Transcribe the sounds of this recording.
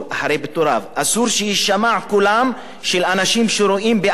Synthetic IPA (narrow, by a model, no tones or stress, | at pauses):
aħaɾejbet̪oɾavʔasuɾʃejiʃamaʕkulam | ʃelanaʃimʃeɾoʔimbe